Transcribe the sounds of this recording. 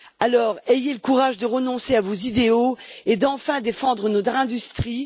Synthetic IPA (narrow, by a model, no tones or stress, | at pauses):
alɔːʁejeləkuʁaʒd̪əʁənɔ̃seavozid̪eoed̪ɑ̃fɛ̃d̪efɑ̃d̪ʁənɔt̪χɛ̃d̪yst̪χi